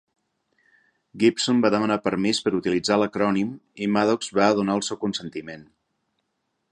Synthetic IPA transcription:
ɡipsombaðəmənapəɾmispəɾut̪ilid͡zaləkɾɔnimimaðɔkzβaəðunaəlˠsɛwkunsənt̪imen

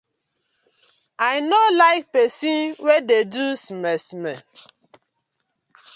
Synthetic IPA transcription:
aɪnolaɪk̚pɛsĩnwededusmɛsmɛ

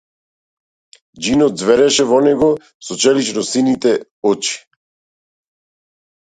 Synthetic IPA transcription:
d͡ʒinɔt̪̚zvɛɾɛʃɛvɔnɛɡɔ | sɔt͡ʃɛliʃɾɔsinit̪ɛ | ɔt͡ʃi̥

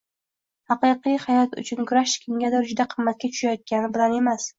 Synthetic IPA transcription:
hɑqɨqɨjhajɒt̪ʊ̰t͡ʃʰʊnkʰʊɾaʃkʲʰɪŋɡʲad̪ɒɾd͡ʒʊd̪aqʰɨmːat̪̚kʲat͡ʃ̪ʰʊ̥ʃajɒt̪̚kʲanɪbɪlane̞mas

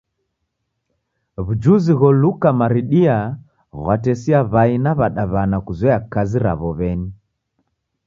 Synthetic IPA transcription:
βud͡ʒuziɣɔlukamaɾiɗia | ɣwatɛsiaβainaβaɗaβanakuzwɛakaziɾa̰βɔβɛni

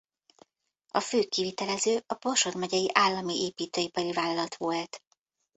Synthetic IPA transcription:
ɒføːkːivit̪ɛlɛzøːʔɒbo̞rʃo̞rmɛɟɛjiʔaːlːɒmiʔeːpiːt̪øːipɒɾivaːlɒlɒt̪ʋolt̪

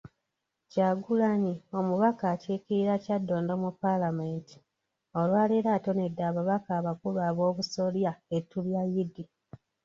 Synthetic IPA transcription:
caɡulanio̞muβakaːceːkiɾiɾacadːo̞ːndomupːalamenti̥ | o̞lwaːleɾato̞ne̞dːaːβaβakaːβakuβaβo̞ːβuso̞ljaetːuljajidi

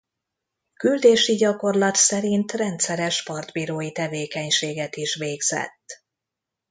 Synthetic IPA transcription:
kyld̪eːʃiɟɒko̞rlɒt̪sɛɾint̪rɛnt̪sɛɾɛʃpɒrd̪biːɾoːjit̪ɛveːkɛɲʃeːɡɛt̪iʃʋeːɡz̥ɛ̰t̪ː

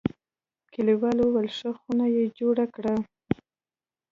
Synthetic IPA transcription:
kɪliwɑlowalʂəxunajed͡ʒoɽakɽa

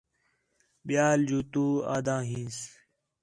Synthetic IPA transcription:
ɓjaːld͡ʒuːt̪uːa̰ːd̪ãːɦĩːns

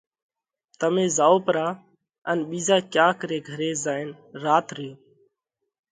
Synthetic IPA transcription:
t̪əmẽːzaːoːpəɾaː | ənɓiːzaːkjãːkəɾeːɡʱəɾeːzaːɪn | ɾaːt̪ɾjõː

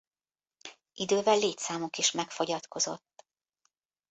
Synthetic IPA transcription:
ʔid̪øːvɛlːeːt̪saːmukiʃmɛkfo̞ɟɒt̪kʰo̞zo̞t̪ː

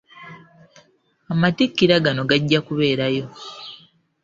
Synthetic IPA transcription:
amatikːiɾaɡano̞ɡaɟːakuβe̞ːɾajo̞

